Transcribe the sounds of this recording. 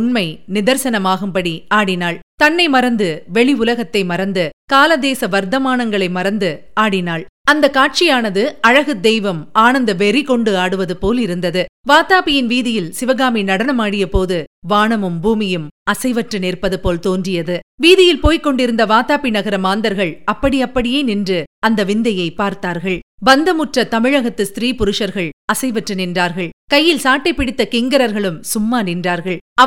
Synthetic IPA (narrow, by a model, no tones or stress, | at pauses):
ʊɳmɐɪnɪðɐɾsɐnɐmaːɣɯmpɐɽiaːɽɪnaːɭt̪ɐnːɐɪmɐɾɐnd̪ɯʋɛɭiʊlɐɣɐt̪ːɐɪmɐɾɐnd̪ɯkaːlɐd̪eːsɐʋɐɾd̪ɐmaːnɐŋɡɐɭɐɪmɐɾɐnd̪ɯ | aːɽɪnaːɭɐnd̪ɐkaːʈ̚t͡ʃɪjaːnɐðɯɐɻɐɣɯd̪ɛjʋɐmaːnɐnd̪ɐʋɛɾikɔɳɖɯaːɽɯʋɐðɯpoːlɪɾɯnd̪ɐðɯʋaːt̪aːpɪjɪnʋiːðɪjɪlsɪʋɐɣaːminɐɽɐnɐmaːɽɪjɐpoːðɯʋaːɳɐmɯmbuːmɪjɯmɐsɐɪʋɐʈrɯneːrpɐðɯpoːlt̪oːndrɪjɐðɯʋiːðɪjɪlpoːjkːɔɳɖɪɾɯnd̪ɐʋaːt̪aːpɪnɐɣɐɾɐmaːnd̪ɐɾɣɐɭɐpːɐɽiɐpːɐɽɪjeːnɪndrɯɐnd̪ɐʋɪnd̪ɐjɐɪpaːɾt̪aːɾɣɐɭʋɐnd̪ɐmʊʈrɐt̪ɐmɪɻɐɣɐt̪ːɯst̪ɪɾiːpʊɾʊʂɐɾɣɐɭɐsɐɪʋɐʈrɯnɪndraːɾɣɐɭkɐjːɪlsaːʈːɐɪpːɪɽɪt̪ːɐkɪŋɡɐɾɐɾɣɐɭɯmsʊmːaːnɪndraːɾɣɐɭɐ